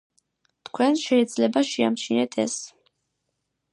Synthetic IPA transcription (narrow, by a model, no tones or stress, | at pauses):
t̪ʰkʰwɛnʃɛid̪zlɛbaʃia̰mt͡ʃʰinɛt̪ʰɛ̰s